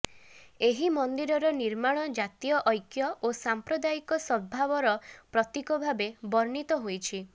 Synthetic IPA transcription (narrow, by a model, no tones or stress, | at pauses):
eɦimɔnd̪iɾɔɾɔniɾmaɽ̃ɔd͡ʒat̪ijɔʔɔjkjɔʔosampɾɔd̪ajikɔsɔbʱabɔɾɔpɾɔt̪ikɔbʱabebɔɾɳit̪ɔɦojt͡ʃʰi